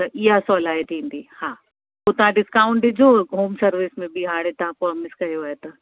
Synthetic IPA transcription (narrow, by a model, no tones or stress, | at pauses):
t̪ɐʔɪɦasɔːlaːet̪ʰĩːnd̪iːhaː | poːt̪ɐʋãɖɪskaːʊ̃ɳʈd͡ʑoːɦoːmsɐɾʋɪsmẽbɪɦaːɽẽt̪ɐɦãpɾɔːmɪskɐɦijoaːet̪ɐ